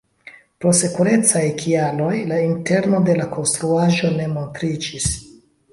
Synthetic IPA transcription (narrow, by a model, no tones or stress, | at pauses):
pɾo̞se̞kuɾe̞t͡sajkʰialo̞jlainte̞ɾno̞de̞lako̞nstɾuaʒo̞ne̞mo̞ntɾid͡ʒis